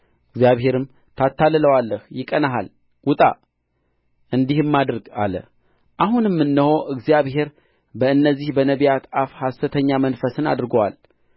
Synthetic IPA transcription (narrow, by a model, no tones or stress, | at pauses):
ʔɨɡzjaβhe̞ɾɨm | t̪ʰat̪ːalɨləwalːəhjɪkʼənaɦa̰l | ɡʊt̪ʼa̰ | ʔɨnd̪ihɨmːad̪ɾɨɡa̰lə̰ | ʔaɦunmːɨnːɨho̞ʔɨɡzijaβhe̞ɾ | bəɨnːəzːihbənəβijat̪afhast̪ɨt̪ʰəɲːamənfəsɨna̰d̪ɨɾɡəwa̰l